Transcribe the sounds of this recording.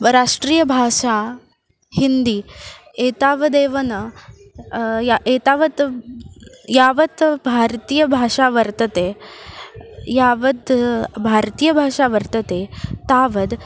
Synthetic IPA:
ɾaʂʈɾiːjəbʱaːʂa | hind̪iː | eːt̪aːʋəd̪eːʋɐnə | jaet̪aʋət̪ | jaːʋət̪bʱaɾt̪iːjəbʱaʂaʋəɾt̪ɐt̪e | jaːʋət̪bʱaɾt̪ijəbʱaːʂaʋəɾt̪ɐt̪et̪aːʋəd̪

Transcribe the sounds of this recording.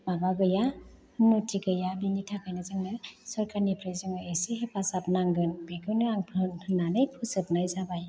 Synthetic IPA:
mabaɡɯja | nutʰiɡɯjabinitʰakajnɯzɯŋnɯsɔɾkʰaɾnipʰɾɯjzɯŋɯesiɦepʰasap̚naŋɡɯnbeɡʰɯnɯaŋpʰɯnʰɯnanɯjpʰusɯp̚najzabaj

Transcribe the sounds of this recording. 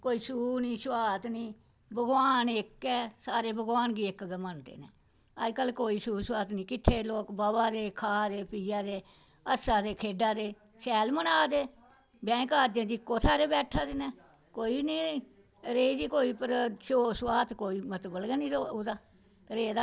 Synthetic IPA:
koːiːsuːniːsʋaːt̪niː | bəɡʋaːnekːɛːsaːɾeːbəɡʋaːnɡiːɪkɡəmənd̪ḛːnɛ̰ː | əd͡ʒkəlkoːiːsuːsʋaːt̪nĩːkɪt̪ʰːeːloːkbaːbaːd̪eːkʰaːd̪eːpiːjaːd̪eː | əsaːd̪eːkʰeːɖaːd̪eː | sɛːlmənaːd̪eː | bɛ̃ːkaːɾd͡ʒẽːd͡ʒiɪkːoːt̪ʰaːɾeːbɛːʈʰaːd̪enɛː | koːiːniː | ɾeːd͡ʒiːkoːiːpəɾsoːsʋaːt̪koːiːmət̪bəlɡɛːnĩːɾood̪aː | ɾeːd̪aː

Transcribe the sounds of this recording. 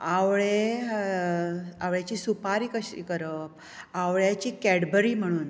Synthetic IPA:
aʋɭe | aʋɭjat͡ɕiːsupaɾiːkəɕḭːkəɾəp̚ | aʋɭjat͡ɕiːkɛɽbəɾiːm̤əɽ̃uːn

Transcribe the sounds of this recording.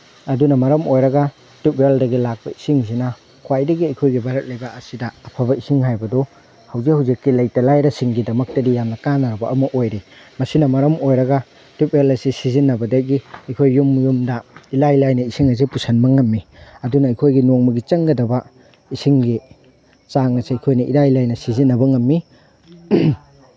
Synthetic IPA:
ɐdunɐmɐɾɐmojɾɐɡɐ | tupeldɐɡilak̚bɐisiŋs̬inɐ | kʰwajdɐɡiɐjkʰojɡibaɾɐt̚lɐjbɐɐsidɐɐpʰɐbɐisiŋɦajbɐdɔ | hɐwzihawzikːilɐjtɐlajɾɐsiŋɡidɐmɐk̚tɐdijamnɐkanɐɾɐbɐʔɐmɐʔojɾi | mɐsinɐmɐɾɐmojɾɐɡɐ | tipelɐsisizinːɐbɐdɐɡiɐjkʰojːumjumdɐilajlajnɐisiŋɐs̬ipusʰɐnmɐŋːɐmːiɐdunɐːjkʰojɡinoŋmɐɡit͡ʃɐŋɡɐdɐbɐ | isiŋɡi | t͡ʃaŋnɐsiɐjkʰojnɐʔḭlajlajnɐsizinːɐbɐŋɐmːi

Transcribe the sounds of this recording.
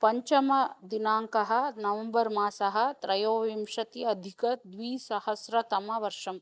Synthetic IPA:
pɐɲt͡ʃɐmɐd̪inaːŋkɐɦɐ̆nɐʋɐmbɐɾmaːsɐɦɐ̆t̪ɾɐjoːʋimʂɐt̪iɐd̪ʱikɐd̪ʋiːsɐhɐsɾɐt̪ɐmɐʋɐɾʂɐm

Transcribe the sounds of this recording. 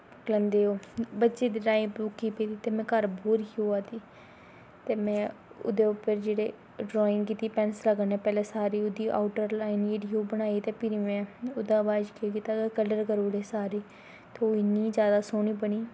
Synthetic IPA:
klənd̪eːoːbətːʃeːd̪iːɾaːipɾuːkːiːpeːd̪iːt̪eːmɛ̃ːkəɾboːɾikːoːaːt̪iː | t̪eːmɛ̃ːʊ̰d̪eːʊpəɾd͡ʒeːɽeː | ɖɾoːɪnkiːt̪iːpɛːnsləɡəneːpɛːlɛ̃ːsaːɾiːʊd̪iːʔa̰ʊʈəɾlaːɪniːɖioːbəñaːiːt̪eːpɪɾiːmɛ̃ːʊd̪aːbaːd͡ʒkekiːt̪aːɡekələɾkəɾoːɽeːsaːɾeː | t̪eːoːɪnːiːd͡ʒjaːd̪aːsoːniːbəɳiː

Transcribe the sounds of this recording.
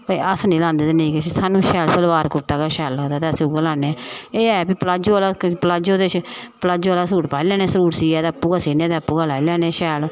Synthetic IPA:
pəiːʔəsnĩːlãːnd̪eːd̪eːnẽiːkes̬iːsaːnũːʃɛːlsəlʋaːɾkʊʈːaːkaːʃɛːlaːd̪aːt̪eəsiʊɡəlãːneeːɛːbiːpəlaːd͡ʒoːaːlaːpəlaːd͡ʒoːd̪eːt͡ʃpəlaːd͡ʒoaːlaːsuːʈpaːilɛːnẽːsəɾuːʈsiːɛːt̪epːuːɡaːsiːnẽːt̪eːpːuːɡaːlaːilɛːnẽːʃɛːl

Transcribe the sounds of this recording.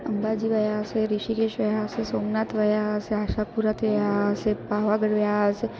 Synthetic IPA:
əmbad͡ʒiʋəjaəseɾiʃikeʃʋəjaəsesoːmnat̪ʋəjaseaːʃapuɾat̪ʋəjaəsepaʋaɡəɽʋəjase

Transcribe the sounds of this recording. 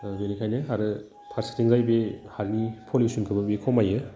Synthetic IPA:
benikʰajnɯɦaɾɯ | tʰaɾsi̥tʰiŋzajbehaɾnipʰolisunkʰɯbɯbekʰɔmajɯ

